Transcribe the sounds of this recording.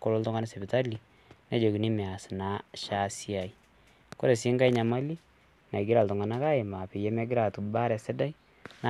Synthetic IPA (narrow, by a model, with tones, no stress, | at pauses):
ko˦lo˦ltɔ˦ŋa˦na˦sɛ˨bi˨ta˦li˨ | nɛ˦d͡ʒo˨ɡi˨ni˦mɛ˨a˨sna˦ʃa˦sja˨i˦ | ko˦ɾe˨si˦ŋɡa˦jɲa˨ma˦li˦ | na˨ɡɪ˦ɾa˨ltɔ˨ŋa˨na˦ka˦ɪ˨ma˨pɪ˨jɛ˦mɛ˦ɡɪ˦ɾa˨tu˨ba˦ɾɛ˨sɛ˦da˦i˦ | n˦